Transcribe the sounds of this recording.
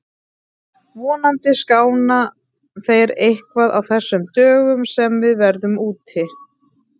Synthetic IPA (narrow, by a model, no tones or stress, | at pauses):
vɔːnant̪ɪskaːwna | θejɾejhkvaða̰wθɛsːʏmt̪œːɣʏmsɛmvɪðvɛɾðʏmuːt̪hɪ